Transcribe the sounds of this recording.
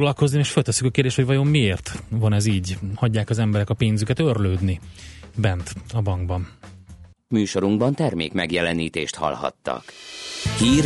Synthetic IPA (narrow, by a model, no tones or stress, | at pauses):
ɡlɒlko̞znimeːʃfølt̪ɛsːykɒkeːrd̪eːʃt̪hovɒjo̞mːieːrt̪vɒnɛziːɟhɒɟːaːkɒzɛmbɛɾɛkɒpeːnzykɛt̪ørløːd̪nibɛnt̪ɒbɒŋɡbɒn | myːʃo̞ɾuŋɡbɒnt̪ɛrmḛːkmɛɡjɛlɛniːt̪eːʃt̪hɒ̰lhɒ̰t̪ːɒ̰khiːr